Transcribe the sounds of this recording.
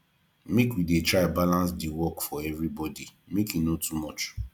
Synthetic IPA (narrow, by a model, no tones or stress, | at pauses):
mekwidetɹaɪbalãnsdiwɔkfɔɛvɾibɔdimekinotumɔt͡ʃ